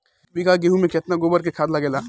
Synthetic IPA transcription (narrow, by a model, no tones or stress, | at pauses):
biɡaɡeɦumẽket̪naɡobəɾk̬ekʰaːd̪laɡeːla